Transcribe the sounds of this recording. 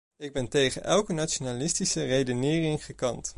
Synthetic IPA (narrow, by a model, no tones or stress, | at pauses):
ɪɡ̚bɛntejχə̰nʔɛlˠkənat͡ʃonaːlɪstisərejdənɪːrɪŋχəkɑnt